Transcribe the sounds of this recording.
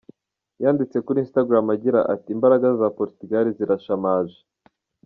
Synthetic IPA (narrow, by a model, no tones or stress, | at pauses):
jaːndit͡se̞kuɾiːnstaɡɾamaɟiɾa̰ʔatiːmbaɾaɡazapoɾitiɡaɾiziɾaʃamaːʒe